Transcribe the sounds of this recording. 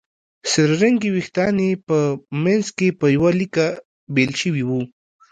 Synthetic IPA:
sɪɾɾaŋɡiwixt̪ɑnepəmenzkepəjawalika | belʃəwiwu

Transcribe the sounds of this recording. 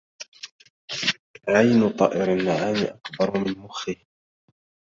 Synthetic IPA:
ʕajnʊt̪ˤɑːʔɪɾanːaʕaːmɪʔakbɑɾˤmɪnmʊxɪh

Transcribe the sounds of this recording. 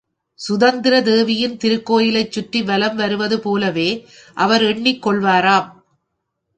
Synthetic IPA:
sʊðɐnd̪ɪɾɐd̪eːʋɪjɪnt̪ɪɾɯkːoːjɪlɐɪt͡ʃːʊʈːiʋɐlɐmʋɐɾɯʋɐðɯpoːlɐʋeː | ʔɐʋɐɾɛɳːɪkːɔɭʋaːɾaːm

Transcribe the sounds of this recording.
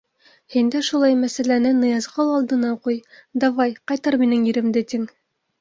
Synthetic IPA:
hind̪æʃulˠɑjmæsælænɘnɤ̆jɑzʁɑlˠɑlˠd̪ɤ̆nɑqujd̪ɑvɑjqɑjt̪ɑɾminɘŋjĭɾɘ̆md̪ɘt̪iŋ

